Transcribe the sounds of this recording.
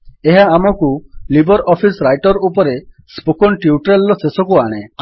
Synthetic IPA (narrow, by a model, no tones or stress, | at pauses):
eɦaːmɔkulibɔɾɔpʰisɾajʈɔɾupɔɾe | spukɔnʈiuʈɾelːɔsesɔkuaɽ̃e